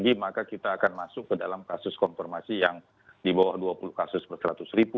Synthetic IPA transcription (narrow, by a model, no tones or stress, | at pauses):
ɡimakakit̪aːkanmasʊkːədalamkasʊskɔnfɛrmasijaŋ | dibawahduapulʊhkasʊspərsəɾat̪ʊsribu